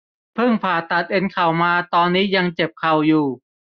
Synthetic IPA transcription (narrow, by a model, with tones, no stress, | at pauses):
pʰɯ˥˩ŋpʰaː˨˩t̪a˨˩t̪̚ʔe˧nkʰa˨˩wmaː˧t̪ɔː˧nːiː˦˥ja˧ŋt͡ɕe˨˩p̚kʰa˨˩wjuː˨˩